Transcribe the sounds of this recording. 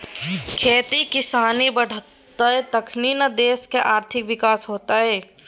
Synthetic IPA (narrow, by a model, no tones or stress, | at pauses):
kʰeːt̪ikɪsaːnibəɽ̤ | t̪aɦɛt̪əkʰniːnəd̪eːskeʔaːɾt̪ʰɪkʋɪkaːsɦoːt̪aɦɛː